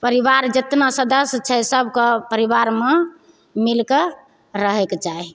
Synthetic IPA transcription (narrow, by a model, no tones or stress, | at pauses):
pəɾibaɾd͡ʒət̪nasəd̪əst͡ʃʰɛsəbʱkepəɾibaɾme | milke | ɾəɦekt͡ʃai